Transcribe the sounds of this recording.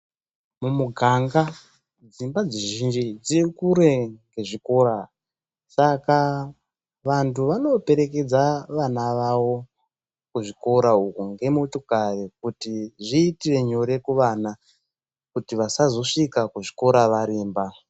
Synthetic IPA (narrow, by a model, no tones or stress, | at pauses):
mumuɡʱaŋɡa | d͡zimbad͡zeʒind͡ʒid͡zikuɾe̞ŋɡe̞ʐiko̞ɾa | saka | ʋantʰuʋano̞pe̞ɾe̞ke̞d͡zaʋanaʋawo̞ | kuʐiko̞ɾaukuŋɡe̞moto̞karek̚utiʐiːtire̞ɲo̞ɾe̞kuʋaːna | kutiʋasazo̞ʂikakuʐiko̞ɾaʋaɾiːmba